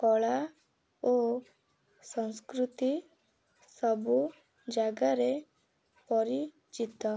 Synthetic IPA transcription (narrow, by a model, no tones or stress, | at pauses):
kɔɭa | o | sɔ̃skɾut̪i | sɔbu | d͡ʒaɡaɾe | pɔɾi | d͡ʒit̪ɔ